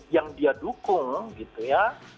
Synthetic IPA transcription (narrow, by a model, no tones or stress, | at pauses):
jaŋdiadukʊŋɡit̪uja